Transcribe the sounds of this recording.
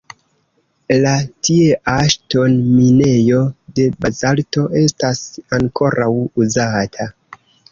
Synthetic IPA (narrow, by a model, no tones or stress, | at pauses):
latieʔaʃto̞nmine̞jo̞de̞bazalto̞ʔe̞stasaŋkʰo̞ɾʔawuzatʰa